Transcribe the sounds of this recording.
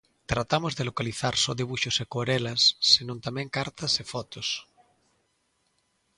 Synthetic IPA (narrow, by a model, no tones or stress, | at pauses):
t̪ɾat̪amozðelokaliθaɾsoðeβuʃosekoɾelasːenõnt̪amẽŋkaɾt̪asefɔt̪os